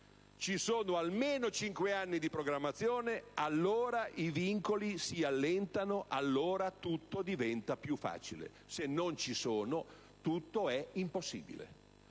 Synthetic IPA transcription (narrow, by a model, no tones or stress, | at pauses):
t͡ʃisoːnoalmeːnot͡ʃiŋkweanːid̪ipɾoɡɾamːat̪sːjoːnealːoːɾaʔiviŋkolisialːɛnt̪anoʔalːoːɾat̪ut̪ːod̪ivɛnt̪apjufːa̰ːt͡ʃilḛ | senːont͡ʃisoːno | t̪ut̪ːoɛimposːḭːbḭlḛ